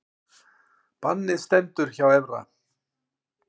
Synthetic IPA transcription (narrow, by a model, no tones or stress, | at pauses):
panːɪst̪ɛnt̪ʏɾ̥çawɛvra̰